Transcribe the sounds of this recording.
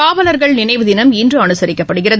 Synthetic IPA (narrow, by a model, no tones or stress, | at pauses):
aːʋɐlɐɾɣɐɭnɪnɐɪʋɯðɪnɐmɪndrɯɐnɯsɐɾɪkːɐpːɐɽɯɣɪrɐ